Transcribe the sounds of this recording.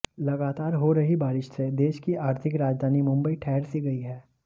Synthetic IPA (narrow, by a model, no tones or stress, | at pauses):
lɐɡaːt̪aːɾɦoɾɐɦibaːɾɪʃsed̪eːʃkiaːɾt̪ʰɪkɾaːd͡ʒd̪ʱaːnimʊ̃mbəiʈʰɛːɦɾsiɡɐiɦɛː